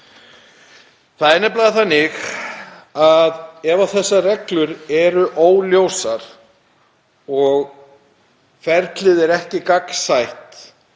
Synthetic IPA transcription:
θaðɛnːɛp̬laːðɪθanːɪx | aðɛːvaθɛsːarɛklʏɾɛɾʏʔoːwljowsaɾ̥ | ɔɣ | fɛɾt̪lɪðɛɾɛhcɪkaksajht̪

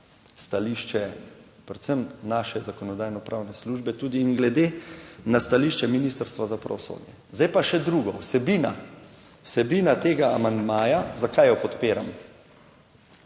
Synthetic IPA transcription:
st̪aliʃt͡ʃɛ | pɾɛt̪səmnaːʃɛzakɔnɔd̪aːjnɔpɾʔaːwnɛsluːʒbɛt̪uːd̪iːnɡlɛd̪eːnast̪aliːʃt͡ʃɛminiːst̪əɾst̪ʋazapɾa̰ʋɔso̰ːd̪jɛ | zd̪ajpaʃɛd̪ɾuːɡɔwsɛbina̰ | wsɛbiːnat̪eːɡaːmand̪maːjazakajɔpɔt̪peːɾamɔ

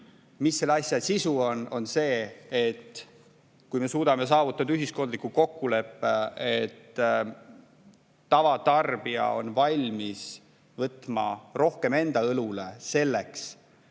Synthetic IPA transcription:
misːe̞lːɑsʲjɑsisuo̞no̞nse̞ːet̪ː | kujme̞suːd̪̥ɑme̞s̬ɑːvut̪ːˑɑd̪ɑyɦisko̞nd̪likːuko̞kːule̞pːeet̪ː | ɑvɑt̪ɑrb̥iɑ̰o̞̰nvɑlʲmis | vɤt̪ːˑmɑ̰ro̞hke̞me̞nd̪ɑɤlule̞se̞lːeks

